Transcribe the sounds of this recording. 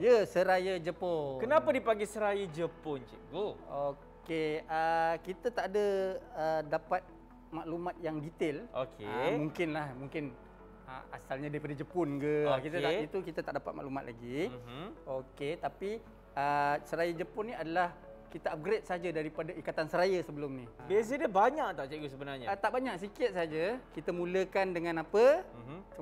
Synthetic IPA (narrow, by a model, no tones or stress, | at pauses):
jəsəɾajəd͡ʒəpokənapadipaɡisəɾajəd͡ʒəpʊnd͡ʒəɡoo | keəkit̪at̪aʔdəədapat̪̚ | maʔlumat̪̚jaŋdit̪ɪlokemuŋkɪnlahmuŋkɪn | ə̰a̰salɲadaɾipadad͡ʒəpʊnɡəokit̪aait̪ukit̪at̪aʔdapat̪̚ma̰ʔlumat̪̚lʔa̰ɡi | oket̪api | əsəɾajəd͡ʒəpʊnːiadalah | kit̪aap̚ɡɾet̪̚səɦad͡ʒadaɾipadaikat̪ansəɾajəsəbəlʊmnibes̬edəbaɲaʔt̪aʔt͡ʃaɡos̬əbənarɲat̪aʔbaɲak̚sikɪt̪̚saɦad͡ʒakit̪amũləkandəŋãnapə